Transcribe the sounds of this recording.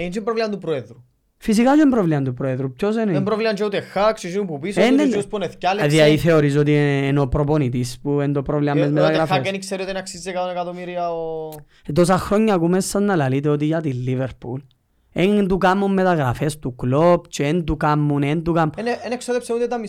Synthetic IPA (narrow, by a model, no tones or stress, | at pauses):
eint͡ʃimpɾovliɐnt̪upɾoeðɾu | fis̬ikat͡ʃoembɾovliɐnd̪upɾoeðɾupcos̬enembɾovliɐnt͡ʃeut̪exakset͡ʃinupupiseneuspuneθicɐlðiɐiθe̞oɾis̬ot̪̬ienopɾoponit̪ispuend̪opɾovliɐmmezmet̪ɐɣɾɐfɐeenikseɾiot̪inɐksizːekɐt̪onekɐt̪omiɾiɐo | t̪os̬ɐxɾoɲːɐːkumesːɐznɐlɐlit̪̬eot̪̬iʝɐt̪ilːiveɾpul | ed̪ukamːumːet̪ɐɣɾɐfest̪uɡlop̚t͡ʃeend̪ukamːunend̪ukamuneeneksoðepseut̪et̪ɐmi